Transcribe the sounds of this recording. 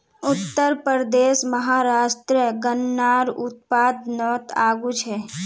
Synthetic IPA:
ʊt̪ːəɾpəɾəd̪eːʃməɦaːɾaːʃʈɾəɡənːaːɾʊt̪̚paːd̪nɔːt̪aːɡut͡ʃʰɛː

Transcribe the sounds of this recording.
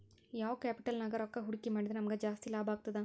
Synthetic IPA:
jaːʋokaːpɪʈɐlnaːɡɐɾɔkːɐɦʊɽɪkːɐmaːɽiðɯnɐmɐɡɐd͡ʒaːst̪ilaːbaːɡɯt̪ːɯðãː

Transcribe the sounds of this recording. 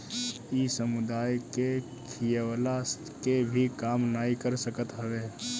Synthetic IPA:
isəmʊd̪aːjke | kʰijewlas | kebʱikaːmnaːikəɾsəkət̪ɦəʋeː

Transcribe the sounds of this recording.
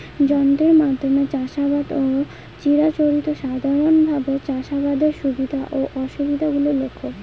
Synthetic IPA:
d͡ʑɔnt̪ɾeɾmad̪ʱɾonat͡ɕaʃabad̪o | t͡ɕiɾat͡ɕoɾit̪oʃad̪ʱaɾonbʱabet͡ɕaʃabad̪eɾʃubid̪ʱaʔoʔɔʃubid̪ʱaɡulolokʰːo

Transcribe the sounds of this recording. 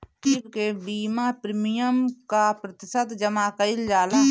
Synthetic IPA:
tiːbkebiːmaːpɾɪmijəmkapɾət̪ɪsət̪d͡ʒəmaːkəɪld͡ʒaːlaː

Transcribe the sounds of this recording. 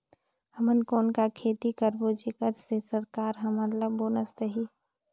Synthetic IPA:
həmənkoːnkakʰeːt̪ikəɾbod͡ʒekəɾsesəɾkaːɾɦɐmələboːnəst̪əɦiː

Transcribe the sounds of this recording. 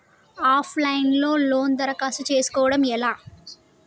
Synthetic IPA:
aːpʰlɐjnlo̞ːlo̞ːnd̪ɐɾɐkaːsut͡ʃe̞ːsu̥kɔːʋɐɽɐmɛlaː

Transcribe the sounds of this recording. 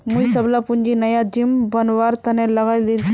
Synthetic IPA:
muisəblapuɲd͡ʒinɐjad͡ʒimbɐnʋaːɾt̪ɐnẽlɐɡajd̪ilʰ

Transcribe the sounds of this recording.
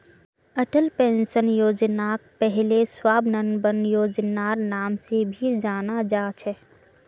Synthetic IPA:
əʈəlpẽːnsənjoːd͡ʒnak̚pɛɦleswaːbnənbənjoːd͡ʒnaːɾnaːmsebʱid͡ʒaːnad͡ʒaːt͡ʃʰɛ

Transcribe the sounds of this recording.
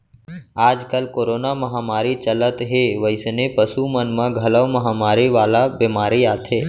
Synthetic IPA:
aːd͡ʒkəlkoːɾoːnaməɦaːmaːɾit͡ʃələt̪ɦeʋəjsnepəsumənmãɡʱɐləʋməɦaːmaːɾiʋaːlabɪmaːɾiaːt̪ʰeː

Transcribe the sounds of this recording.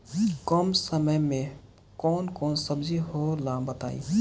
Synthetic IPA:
kɔːmsəməmẽ | kɔːnkɔːnsəbziɦolaːbət̪a̰ːḭ̃

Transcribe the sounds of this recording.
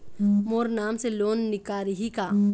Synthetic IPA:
moːɾnaːmseloːnːɪkaːɾiɦika

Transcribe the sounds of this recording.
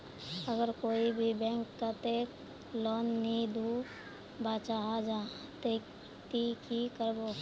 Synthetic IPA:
əɡəɾkoːibʱibɛ̃ːŋkt̪at̪eːk | lɔːnːid̪ʱu | baːt͡ʃaɦad͡ʒa | t̪ek | t̪ikikəɾboː

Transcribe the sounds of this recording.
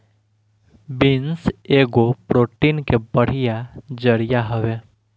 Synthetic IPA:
bɪnseːɡopɾoːʈinkebəɽ̤ɪjad͡ʒəɽɪjaɦəʋe

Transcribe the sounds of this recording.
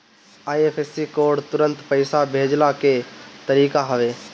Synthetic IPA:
aːieːpʰeːsikoːɖt̪ʊɾə̃nt̪pəɪsabʱeːd͡ʒlaket̪əɾiːkaɦəʋeː

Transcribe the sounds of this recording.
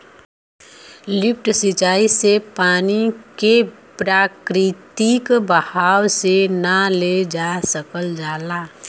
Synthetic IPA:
lɪp̚ʈsɪt͡ʃaːisepaːnike | pɾaːkɾɪt̪ikbəhaːwsenaled͡ʒasəkəld͡ʒaːlaː

